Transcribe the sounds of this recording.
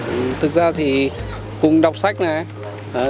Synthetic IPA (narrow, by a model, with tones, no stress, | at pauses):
ʔɨ˨˩t̪ʰɨ˨˩k̚zaː˧t̪ʰi˨˩ | kʊ˨˩ŋ͡mɗa˨˩wk͡p̚sa˦˥jk̟̚naː˨˩˨